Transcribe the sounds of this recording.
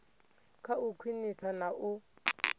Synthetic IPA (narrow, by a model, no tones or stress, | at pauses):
kʰaukʰwinisanaʔu